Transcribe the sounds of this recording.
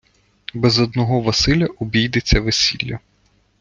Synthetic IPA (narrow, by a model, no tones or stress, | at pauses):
bɛzɔd̪nɔɦɔʋɐsɪlʲɐʔʊbʲijd̪et͡sʲːɐʋesʲilʲːɐ